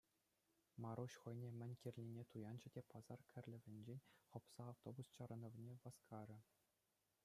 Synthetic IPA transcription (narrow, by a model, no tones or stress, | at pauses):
mɑɾuɕχɤ̆jnʲemʲɘ̆nʲkʲirʲlʲinʲet̪ujɑnd͡ʑɘ̆dʲepɑzɑrkʲʰɘ̆rʲlʲɘ̆vʲɘ̆nʲd͡ʑenʲχŏpsɑːft̪obust͡ɕɑɾɤ̆nɤ̆vnʲeʋɑskʰɑɾʲɘ̆